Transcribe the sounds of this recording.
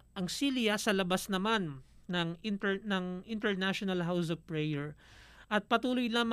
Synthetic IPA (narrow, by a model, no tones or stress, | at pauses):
ʔɐŋsilɪjasɐlɐbasnɐmanːɐŋɪnt̪ɛnɐŋɪnt̪ɛɹnaʃonɐlɦaws̬ɔfpɹɛjɛɹʔɐt̪̚pɐt̪uːlojlaːm